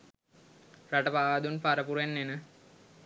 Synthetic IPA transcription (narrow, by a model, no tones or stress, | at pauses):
raʈəpaːd̪unpaɾəpuɾenːenə